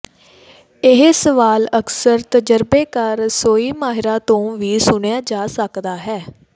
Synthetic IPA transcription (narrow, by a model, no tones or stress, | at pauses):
ɪɦsəʋaːləksəɾt̪əd͡ʒəɾbeːkəɾsoːiːmaːɦɪɾaːt̪õːʋiːsʊɳejaːd͡ʒaːsəkd̪aːɦɛː